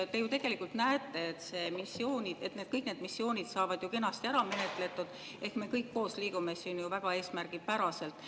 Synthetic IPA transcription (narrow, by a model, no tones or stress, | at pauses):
t̪e̞jut̪e̞ɡ̥e̞likːˑult̪næet̪ːˑe̞et̪se̞misːio̞ːnʲid̪e̞t̪ned̪̥̚kɤjkne̞ːd̪misːio̞ːnʲid̪̥sɑːvɑd̪juke̞nːɑst̪iæɾɑme̞ne̞t̪ˑle̞t̪ːˑud̪̥ | e̞hkme̞ːkɤjkːo̞ːsliːɡ̥umesinjuvæɡ̥ɑe̞ːsmærɡ̥ipæɾɑse̞lt̪ˑ